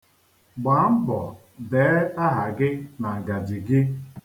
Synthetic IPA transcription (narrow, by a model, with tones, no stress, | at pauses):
ɡ͡ba˨˦m̩˦bɔ̰˨ | de˨˦a˦ɦa˨ɡɪ˦na˨ɡa˨di˨ɡɪ˦